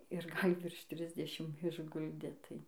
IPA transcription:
ɪr ˈɡɐlʲ ˈʋʲɪrʃ ˈtʲrʲɪzʲdʲɛʃʲɪm ɪʒˈɡʊlʲdʲeː tɐɪ

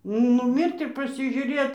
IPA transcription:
nʊˈmʲɪrt ɪr pɐsʲɪʒʲʊˈrʲeː

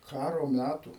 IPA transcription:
ˈkɑːroː ˈmʲætuː

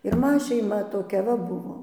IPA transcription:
ɪr ˈmɐ ʃʲɛɪˈmɐ toːˈkʲɛ ʋɐ ˈbʊʋoː

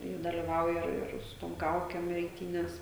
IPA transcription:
ɪ dɐlʲɪˈʋɐʊjɛ ˈɪr ˈɪr sʊ ˈtoːm ˈkɐʊkʲɛm ɛɪˈtʲiːnʲɛs

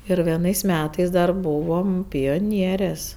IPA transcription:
ɪr ʋʲiɛˈnɐɪs ˈmʲæːtɐɪs dɐr ˈbʊʋoːm pʲoːˈnʲiɛrʲeːs

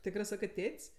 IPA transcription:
ˈtʲɪkrɜ ˈsɑːkɜ ˈtʲeːtʲsʲ

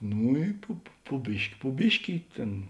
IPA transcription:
ˈnuː ɪ ˈpʊ pʊ pʊ ˈbʲɪʃʲkʲɪ pʊ ˈbʲɪʃʲkʲɪ ɪ ˈtʲeːn

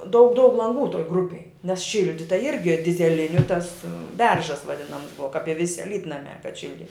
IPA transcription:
dɐʊk dɐʊk lˠɐŋˈɡuː toːj ˈɡrʊpʲeːj nʲɛs ˈʃʲɪlʲdʲɪtɐ ˈɪrʲɡʲɪ dʲɪzʲɛˈlʲɪnʲʊ tɐs ˈbʲɛrʒɐs ʋɐˈdʲɪnɐms ˈbʊʋɐ kɐp ɪ ˈʋʲɪsʲɪ ɐˈlʲiːtnɐmʲɛ kɐt ˈʃʲɪlʲdʲɪ

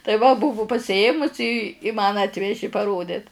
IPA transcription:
tɐɪ ˈʋɐ ˈbʊʋʊ pɐsʲɪˈeːmʊsʲɪ ɪ ɪ mɐn ˈɑːtʲʋʲɛʒʲɪ pɐˈroːdʲɪt

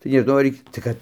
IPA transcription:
tɐɪ nʲɛˈʒnɐʊ ɐr ɪ tɐɪ ˈkɐt

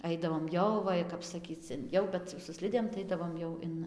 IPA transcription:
ˈɐɪdɐʋoːm ˈjɛʊ ˈʋɐ ɪ kɐp sɐˈkʲiːt͡s ɪn ˈjɛʊ bʲɛt sʊ ˈsʲlʲɪdʲeːm tɐɪ ˈɐɪdɐʋoːm jɛʊ ˈɪn

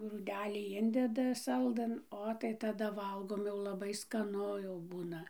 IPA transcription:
ɡruːˈdʲæːlʲiː ˈɪnʲdʲɛdɐ ˈsɐlˠdɘn ˈoː tɐɪ tɐˈdɐ ˈʋɐlˠɡoːm jɛʊ lˠɐˈbɐɪ skɐˈnʊ jɛʊ ˈbuːnɐ

